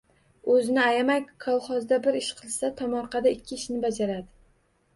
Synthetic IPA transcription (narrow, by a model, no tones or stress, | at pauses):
ɵzɪnɪajamakʰːɒwˠχɒzd̪abɪɾɪʃqʰɨlˠsat̪ʰamɒɾqɑd̪aɪkʲʰːɪːʃnɪbad͡ʒaɾad̪ɪ